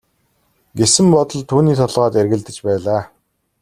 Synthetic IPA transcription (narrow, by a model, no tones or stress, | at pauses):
ɡesɘ̆mpɔt̪ɞ̆ɮt̪ʰuːniːt̪ʰɔɮʁaːt̪erɣɘ̆ɮt̪ɘ̆t͡ɕpæːɮaː